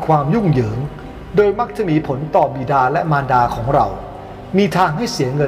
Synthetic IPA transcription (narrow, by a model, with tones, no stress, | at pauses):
kʰwaː˧mju˥˩ŋjɤː˩˦ŋ | doː˧jma˦˥k̚t͡ɕa˨˩miː˧pʰo˩˦nt̪ɔː˨˩biː˨˩daː˧lɛ˦˥maː˧ndaː˧kʰɔː˩˦ŋɾa̰˧w | miː˧t̪ʰaː˧ŋɦa˥˩jsi˩˦əŋɤ˧